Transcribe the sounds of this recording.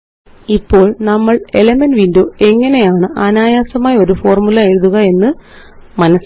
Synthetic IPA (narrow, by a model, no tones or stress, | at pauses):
ipːo̞ːɭnɐmːɐɭelɐmenʋindo̞ːe̞ŋːɐne̞jaːɳɨʔɐnaːjaːsɐmaːjo̞ɾufo̞ːrmulɐaːjiɾuðuɣɐe̞nːɨ | mɐnɐs